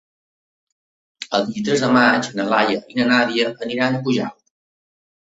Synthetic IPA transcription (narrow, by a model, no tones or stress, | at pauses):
ə̰lˠdiit̪ɾɛzðəmat͡ʃnəlajəʔinənaβiəʔəniɾanəpuʒa̰l